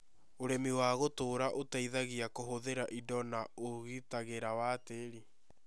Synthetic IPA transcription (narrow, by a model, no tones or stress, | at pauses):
oɾemiwaɣotoːɾaʔotaiðaɣiakoɦoðeɾaʔidɔnaoɣitaɣeɾawaːteɾi